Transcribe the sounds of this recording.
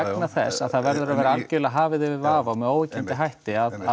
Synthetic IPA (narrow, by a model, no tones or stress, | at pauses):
ɛknaθɛ̰sːaðθaðvɛɾðʏɾavɛːɾaalcʏlaɦaːvɪðɪvɪvaːvawmɛðoːwɪcɪnt̪ɪɦajht̪ɪaða